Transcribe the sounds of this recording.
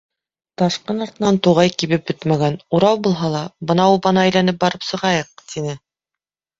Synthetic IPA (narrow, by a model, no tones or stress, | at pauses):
t̪ɑʃqɤnɑɾt̪ɤ̆nɑnt̪uʁɑjkiβɘp̚bɵt̪mæɡænuɾɑwbulˠɦɑlˠɑbɤ̆nɑubɑnɑæjlænɘp̚bɑɾɤpsɤ̆ʁɑjɤq̚t̪inɘ